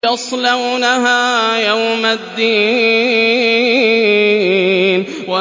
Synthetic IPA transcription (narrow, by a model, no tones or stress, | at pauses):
ɑsˤlawnaɦaːjawmad̪ːiː | n | wa